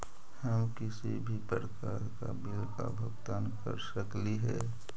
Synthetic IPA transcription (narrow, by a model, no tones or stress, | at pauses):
həmkɪsibʱipəɾəkaːɾkabɪlka̰bʱəɡt̪aːnkə̰ɾsəkliɦɛ̰ː